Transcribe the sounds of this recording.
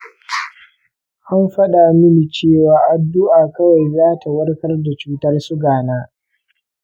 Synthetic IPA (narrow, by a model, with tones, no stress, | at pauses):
ʔa˦mɸɐ˦ɗa˨mɪ˦ni˨t͡ʃeː˦˨waː˨ʔa˨dːʊ˦ʔaː˨kɐ˦wa˨jzaː˦tʰa˨wɐ˦rkɐ˦rda˨t͡ʃuː˦tɐ˦rsʊ˦ɡaː˨naː˦